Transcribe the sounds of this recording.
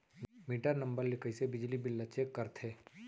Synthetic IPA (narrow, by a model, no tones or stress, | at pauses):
miːʈəɾnɐ̃mbəɾlɪkəisebɪd͡ʒlibɪlːət͡ʃekːɐɾt̪ʰeː